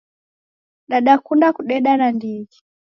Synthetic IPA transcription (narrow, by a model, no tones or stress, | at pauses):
ɗaɗakundakuɗɛɗanandid͡ʒi̥